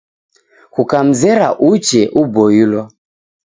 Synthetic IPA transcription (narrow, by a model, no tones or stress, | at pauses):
kukam̩zɛɾaʔut͡ʃɛʔubɔjulɔ